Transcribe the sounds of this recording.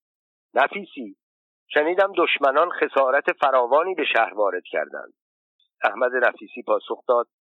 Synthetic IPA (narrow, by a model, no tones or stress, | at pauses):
næfiːsiː | ʃeniːd̪æmd̪oʃmænɒnχe̞sɒːɾæt̪ʰe̞fæɾɒːvɒːniːbe̞ʃæhɾvɒːɾe̞d̪̥cʰæ̰ɾd̪æ̰nd̪̥̚ | æhmæd̪e̞næfiːsiːpʰɒːsoxd̪ɒːd̪̥̚